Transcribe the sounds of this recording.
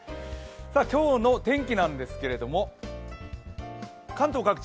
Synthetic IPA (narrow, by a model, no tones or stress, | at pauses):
saːkʲo̞ːno̞t̪ẽ̞ŋkʲinãnd̪e̞sɨ̥ke̞ɾe̞d̪o̞mo̞ | kãnt̪okːɡakɯ̟̥